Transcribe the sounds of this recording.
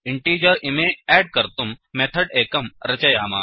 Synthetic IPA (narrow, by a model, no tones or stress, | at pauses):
iɳʈiːd͡ʑəɾimeæɽkəɾt̪umːet̪ʰəɽekəmɾɐt͡ɕɐjaːma̰